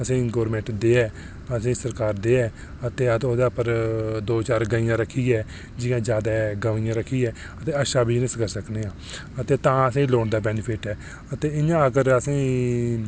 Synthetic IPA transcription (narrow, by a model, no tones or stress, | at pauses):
əsĩːɡoːɾmẽːɳʈd̪eːɛː | əsĩːsəɾkaːɾd̪eːɛː | ət̪eːət̪oːd̪aːpəɾd̪oːt͡ʃaːɾɡaĩjãːɾəkʰːiːɛː | d͡ʒɪãːd͡ʒjaːd̪aːɡəʋaːɪ̃jãːɾəkʰːiːɛː | ət̪eːəʃaːbʱiːnəskəɾsəkneːãː | ət̪eːt̪ãːəsĩːloːɳd̪aːbɛːnɪpʰɪʈɛː | ət̪eːɪãːəɡəɾəsĩː